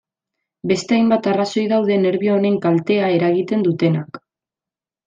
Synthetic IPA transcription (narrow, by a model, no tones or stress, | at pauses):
be̞st̪e̞ajmbat̪araso̞jðawðe̞ne̞ɾβioone̞ŋkalt̪e̞ae̞ɾaɣit̪e̞nd̪ut̪e̞nak